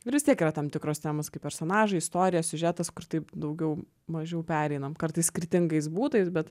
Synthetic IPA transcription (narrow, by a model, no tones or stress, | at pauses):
ɪɾʋʲɪst̪ʲiɛkiːɾɐt̪ɐmt̪ʲɪkɾoːst̪ʲæːmoːskɐɪpɛɾsʲonɑːʒɐɪɪst̪oːɾʲɪjɛsʲʊʒʲæːt̪ɐskʊrt̪ɐɪpd̪ɐʊɡʲɛʊ | mɐʒʲɛʊpʲæːɾʲɛɪnɐmkɐɾt̪ɐɪsskʲɾɪt̪ʲɪŋɡɐɪs̬buːt̪ɐɪsbʲɛt̪